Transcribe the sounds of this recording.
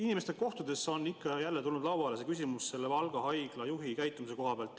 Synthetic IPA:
inimest̪eko̞ht̪ud̪̥e̞so̞nːikːɑjælːe̞t̪ulnud̪lɑwɑlesekysʲimusse̞lːevɑlɡ̥ɑɦɑjɡ̥lɑjuɦikæjt̪ːˑumise̞ko̞ɦɑpeɑlt̪ːˑ

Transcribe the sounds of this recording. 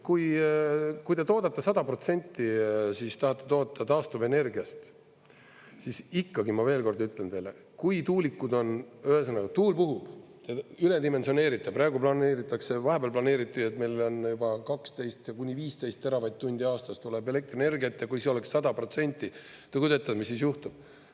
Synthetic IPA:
kuj | kujt̪e̞t̪o̞ːd̪̥ɑt̪ːɑsɑd̪̥ɑpro̞t̪se̞nʲt̪ˑːisist̪ɑhɑt̪ːˑe̞̥t̪o̞ːt̪ːˑɑt̪ɑːst̪uve̞ne̞rɡiɑst̪ | sisikːɑɡimɑve̞ːlko̞rd̪yt̪ːˑlent̪e̞jle | kujt̪uːlikːˑud̪o̞nøhes̬ɑnːɑɡɑt̪uːlpuɦub̥ | t̪eyled̪ime̞nsio̞ne̞ːɾit̪ːˑeprɑːeɡuplɑneːɾit̪ːˑɑkse̞vɑɦe̞b̥ɑlplɑne̞ːɾit̪ːˑuet̪ˑmejlo̞njubɑkɑkst̪e̞jst̪jɑkunʲːiviːst̪e̞jst̪ːe̞ɾɑvɑjt̪̚t̪ːunʲd̪iɑːst̪ɑst̪ulebele̞k̚t̪rene̞rɡiɑt̪ˑːjɑkujsio̞leksːɑd̪ɑpro̞t̪se̞nʲt̪ʲːˑi | t̪ekud̪et̪ːˑɑd̪misːisjuht̪ub̥

